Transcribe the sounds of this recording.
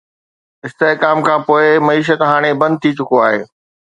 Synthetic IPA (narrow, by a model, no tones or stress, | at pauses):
ɪst̪eɦkaːmkʰãːpoːɪmɐiːʃ̬ət̪ɦaːɽ̃ebɐ̃nd̪̚t̪ʰit͡ɕʊkoaːɦḛː